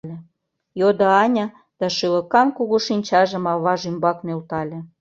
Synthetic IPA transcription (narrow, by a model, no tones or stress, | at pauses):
lʲĕ | jod̪oɑnʲɑ | d̪̥ɑʃylə̆kɑnkuɣuʃinʲt͡ɕɑʒə̆mɑβɑʒymbɑknølt̪ɑlʲĕ